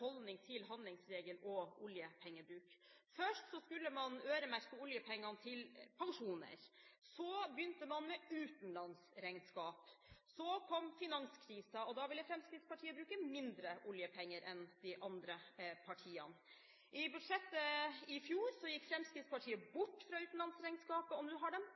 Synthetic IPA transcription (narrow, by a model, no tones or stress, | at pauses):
ɔlnɪŋt̪ʰɪlɦɑnd̪lɪŋsɾeːɡəlɔʊljəpʰɛŋːəbɾʉːkfœʂʈsɔskʉlːəmɑnøːɾəmæɾkəʊljəpʰɛŋːɑnt̪ʰɪlpʰɑŋʂuːnə̰ɾsɔbjʏnt̪əmɑnmɛʉːt̪n̩lɑnsɾæɪnskɑːpsɔkʰɔmfɪnɑŋskʰɾiːsɑɔd̪ɑʋɪlːəfɾɛmskɾɪt̪spʰɑʈʰiːəbɾʉːkəmɪnd̪ɾəʔʊljəpʰɛŋːəɾʔɛnd̪ɪʔɑnd̪ɾəpʰɑʈʰiːɑ̰n | ʔɪbʉd̪ʂɛt̪ːəɪfjuːɾsɔjɪkːfɾɛmskɾɪt̪spʰɑʈʰiːəbʊʈːfɾɑʉːt̪n̩lɑnsɾæɪŋnskɑːpəɔmd̪ʉɦɑɖɛm